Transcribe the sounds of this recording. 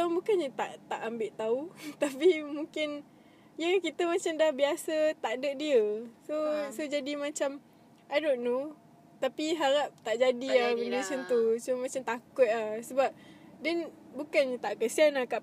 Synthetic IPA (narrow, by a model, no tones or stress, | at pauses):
tabukanɲət̪a̰ʔt̪aʔambɪʔt̪aut̪apimuŋkɪn | jəkit̪əmat͡ʃamdahbiasət̪aʔdəʔdiəsosod͡ʒadimãt͡ʃam | ʔaɾoʔnu | t̪apiɦaɾap̚t̪aʔd͡ʒadiaməndusənt̪usomãt͡ʃamt̪akʊt̪̚ahsəbap̚dɛnbukanɲət̪aʔkəsianakaʔ